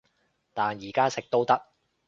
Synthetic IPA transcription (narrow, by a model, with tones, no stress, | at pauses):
t̪aː˨njiː˨˩kaː˥sɪ˨k̚t̪o˥wt̪ɐ˥k̚